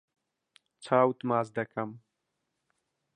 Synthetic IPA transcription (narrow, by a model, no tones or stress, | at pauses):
t͡sʰaːwt̪maːzd̪ɐkɐm